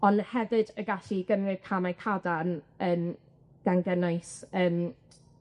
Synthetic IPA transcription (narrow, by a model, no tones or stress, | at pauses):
ɔnhɛvɨdəɡaɬiɡənrɪv̥kʰamajkʰadanəːn | ɡ̥anɡənajsəːm